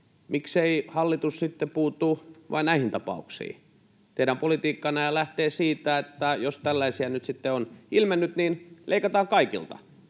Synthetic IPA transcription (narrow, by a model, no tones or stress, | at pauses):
mʔikseihɑlːit̪ussit̪ːepuːt̪uʋɑ̰inæihint̪ɑpɑ̰uksḭː | t̪eiɾæmpolit̪iːkːɑnɑjɑlæht̪eːsiːt̪æet̪ːæjost̪ælːæisiænyt̪sit̪ːeonilmenːyt̪ninlʔeikɑt̪ɑːŋkɑikḭlt̪ɑ̰